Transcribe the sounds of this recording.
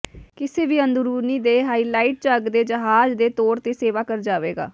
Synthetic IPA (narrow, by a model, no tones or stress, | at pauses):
kɪseːʋiːənd̪uɾuːniːd̪eːɦaːiːlaːiːʈ̚t͡ʃəɡd̪eːd͡ʒəɦaːd͡ʒd̪eːt̪oːɾt̪eːseːʋaːkəɾd͡ʒaːʋeːɡa̰ː